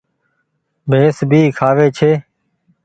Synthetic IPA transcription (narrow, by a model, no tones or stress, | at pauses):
bʱeːsbʱiːkʰaːʋeːt͡ʃʰeː